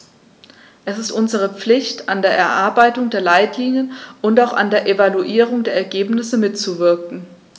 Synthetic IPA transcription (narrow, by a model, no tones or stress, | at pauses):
ʔɛsɪstʔʊnzəʁ̞əp͡flɪçtandeːɐʔɛɐʔaɐbaɪtʊŋdeːɐlaɪtʰliːnjənʔʊntaʊxa̰ndeːɐʔevaluʔiːʁ̞ʊŋdeːɐɛɐɡeːpnɪsəmɪtt͡suvɪɐkŋ̩